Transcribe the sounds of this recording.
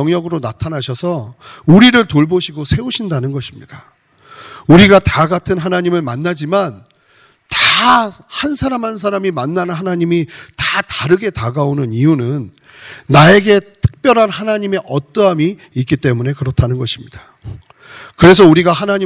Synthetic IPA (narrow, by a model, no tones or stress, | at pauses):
ʌŋjʌɡɯɾonatʰanaɕʰʌsʰʌ | uɾiɾɯɭtoɭboɕʰiɡosʰe̞uɕʰindanɯnɡʌɕʰimɲid̥a | uɾiɡataɡatʰɯnɦanaɲimɯɭmanːad͡ʑiman | tahansʰaɾamɦansʰaɾamimanːannɦanaɲimitataɾɯɡe̞taɡaonɯnijunɯnː | ae̞ɡe̞tʰɯ̥k̚p͈jʌɾɦanhanaɲime̞ʔʌt͈ʌɦamiː | k͈it͈e̞mune̞kɯɾʌtʰanɯnɡʌɕʰimɲida | kɯɾe̞s̬ʰʌuɾiɡahanaɲi